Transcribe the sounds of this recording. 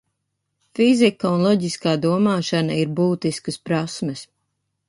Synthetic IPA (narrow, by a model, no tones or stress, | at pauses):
fizikaunlˠɔɟiskaːd̪uɔmaːʃanaiɾbuːt̪iskəspɾasmɛs